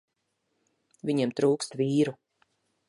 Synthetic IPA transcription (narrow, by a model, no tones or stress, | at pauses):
vʲiɲemt̪ɾuːkst̪viːɾu